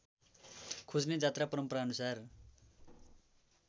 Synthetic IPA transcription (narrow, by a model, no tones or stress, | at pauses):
kʰud͡zned͡zat̪rapʌɾʌmpʌɾaʌnusar